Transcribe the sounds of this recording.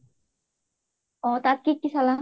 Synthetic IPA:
ɔ̃ːt̪akikːisala

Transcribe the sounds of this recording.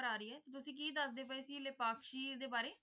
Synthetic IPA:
əɾaːɾəiːɛːt̪et̪ʊsĩːk̬iːd̪əsd̪eːp̬əeːsiːlɪpaːkʃiːd̪eːbaːɾeː

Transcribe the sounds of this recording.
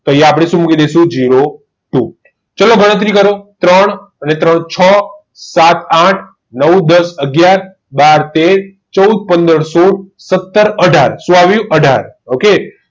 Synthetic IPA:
t̪oijapɽ̃eʃũmukid̪esũd͡ʒiɾo | ʈu | t͡ʃəloɡəɽ̃ət̪̬ɾikəɾot̪ɾəɳ̃ | ənet̪ɾəɳt͡ʃʰə | sat̪aʈʰ | nəwd̪əsəɡjaɾ | baɾt̪eɾ | t͡ʃəud̪̚pənd̪əɾsoɽsət̪ːəɾəɖʱaɾsũaʋijũʔəɖʱa̰ɾoke

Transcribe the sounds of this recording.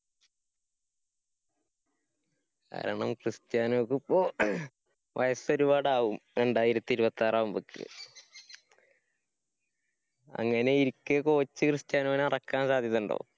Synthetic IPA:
ka̰ːɾɐɳɐmkrɨst̪jaːnokːɨpːoː | ʋʔɐjɐso̞ɾubaːɽaːʋumɾe̞ɳɖaːjiɾɐt̪ːiɾubɐt̪ːaːraːʋumbokʰːɨ̰ | ɐ̰ŋːɐne̞iɾikːɨko̞ːt͡ɕːɨkrɨst̪jaːnɐaːnɨɐrɐkːaːnsaːd̪ʱjɐðːuɳɖo̰ː

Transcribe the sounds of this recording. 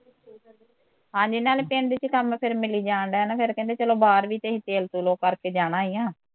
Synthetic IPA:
ɦãːd͡ʒiːnaːlpeːɳd̪ɪt͡ʃkəmpʰɪɾmɪliːd͡ʒaːɳɖɛːnapʰɪɾkɛ̃ːnd̪eːt͡ʃəloːbaːɾʋiːt̪eːɦĩt̪eːlt̪uːloːkəɾkeːd͡ʒaːɽ̃ãːiːãː

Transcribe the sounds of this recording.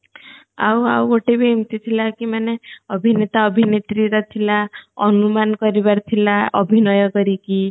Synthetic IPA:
a̰wa̰woʈebiimt̪it̪ʰilakimaneʌbʱinet̪aɔbʱinet̪ɾiɾat̪ʰilaɔnumankɔɾibaɾt̪ʰilaʔʌ̰bʱinɔjɔkɔɾiki

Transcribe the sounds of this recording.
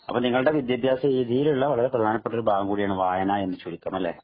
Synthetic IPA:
ɐpːoniŋːɐɭɨɽe̞ʋid̪jɐbʱjaːsɐiːðijiluɭːɐʋɐɭɐɾepɾɐd̪ʱaːnɐpːeʈːo̞ɾubʱaːɐŋɡuːɽijaːɳɨʋaːjɐnae̞nːɨt͡ɕuɽikʲːaːmɐlːeː

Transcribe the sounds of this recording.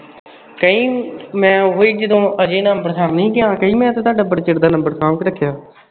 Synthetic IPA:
kəĩːmɛ̃ːɦoːiːd͡ʒəd̪õːʔəd͡ʒeːnəmbəɾsaːɾnəĩːkɪãːkəĩːmɛ̃ːt̪ẽːt̪aːɖaːbəɽt͡ʃɪɽd̪aːnəmbəɾsaːʋkɾəkʰːjaː

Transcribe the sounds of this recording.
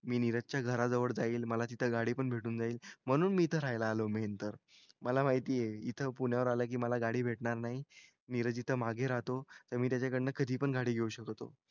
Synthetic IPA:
miːniɾəd͡zt͡ɕjaɡʱəɾad͡zəʋəɽd͡zaiːlməlat̪it̪ʰəɡaɽiːpəɳbʱeʈuːnd͡zaiːlm̤əɽ̃uːnmiːt̪ʰəɾajlaːləment̪əɾ | məlamaɦit̪iːjeit̪ʰəpuɳjaʋəɾalək̬iːməlaɡaɽiːbʱeʈɳaɾnaɦi | niɾəd͡zit̪ʰəmaɡʱeɾat̪ot̪əɾmiːt̪jat͡ɕakəɽenakʰəd̪ʱiːpəɳɡaɽiːɡʱeuɕəkt̪o̰

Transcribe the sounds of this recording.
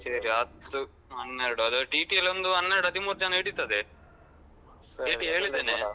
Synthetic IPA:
seɾiɐd̪ːu | ɐnːeɾɐɽuɐd̪oʈiːʈiɐlond̪uɐnːeɾɐɽɐt̪imuːɾt͡ʃaːneːʈit̪ːɐd̪e | eːʈiɦeːɭid̪ːeːne

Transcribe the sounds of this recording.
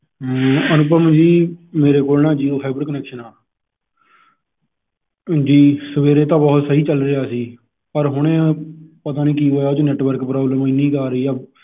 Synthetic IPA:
ənʊpəmd͡ʒiːmeːɾeːkoːlnãːd͡ʒiːoːpʰaːbəɾkənɛːkʃənaː | d͡ʒiːsəʋeːɾeːt̪̬ãːbɔːt̪səɦiːt͡ʃəlɾɪaːsiː | pəɾɦʊɽ̃ẽːpət̪aːnĩːkiːoːjaːt͡ʃonɛːʈʋəɾkpɾɔːbləmiːnĩːkaːɾəiːɛː

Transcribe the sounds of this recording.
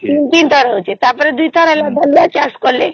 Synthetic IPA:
t̪int̪int̪ʰɔɾɔɦot͡ʃʰet̪aɾpɔɾed̪ujt̪ʰɔɾalab̪alat͡ʃaskɔle

